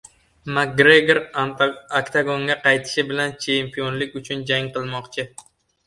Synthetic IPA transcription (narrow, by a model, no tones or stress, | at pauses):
mak̚ːɾeɡeɾ | akt̪ʰaɡoŋɡʲaqɑjt̪ʰɪ̥ʃɪbɪlant͡ʃʰempʰijonlɪkʲʊt͡ʃʰʊnd͡ʒaŋqʰɨlˠmɒqt͡ʃʰɪ